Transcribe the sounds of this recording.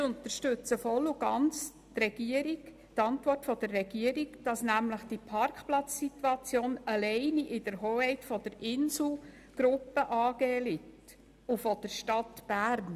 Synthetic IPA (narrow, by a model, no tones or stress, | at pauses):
ʊnt̪əɾʃtʉt͡səfɔlːuɡ̥ɑnt͡s | trɛɡ̥iəɾik | tɑntʋɔrtfɔd̥ərːɛɡ̥iəɾikd̥ɑsnæmləχd̥ipʰɑrkχplɑt͡sːit̪uɑt͡sjoːnɑlɛɪniʔɪd̥əɾɦoːhɛɪtfɔd̥̪əɾɪnsl̩ | ɡ̥ɾʊpːəʔɑːɡ̥eːlɪt | ufɔd̥əɾʃtɑtb̥æːɾn